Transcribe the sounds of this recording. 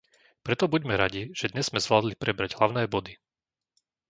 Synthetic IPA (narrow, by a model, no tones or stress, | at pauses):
pɾɛt̪ɔbuɟmɛɾaɟiʒ̥ɛd̪ɲɛzːmɛzʋlaːd̪lipɾɛbɾaɟɦlaʊnɛːbɔd̪i